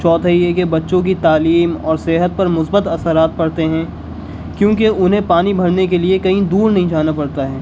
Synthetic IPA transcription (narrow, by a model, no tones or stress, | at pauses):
t͡ʃɔːt̪ʰəɦiɛkebɐtːʃõk̬it̪aːliːmɔːɾseːɦət̪̚pɐɾmʊsbət̪ɐsəɾaːt̪̚pɐɽt̪eɦɛ̃ː | kjõːk̬eʊnɦẽpaːnibʱɐɽnek̬eliekɐɦĩd̪uːɾnɐɦĩd͡ʒaːnapɐɽt̪aɦɛː